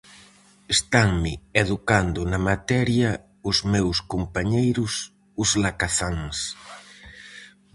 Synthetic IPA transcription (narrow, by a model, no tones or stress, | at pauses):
est̪aŋmɪeðukand̪ʊnɐmat̪ɛɾjɐ | ʊzmewskompaɲejɾʊs | ʊzlakaθaŋs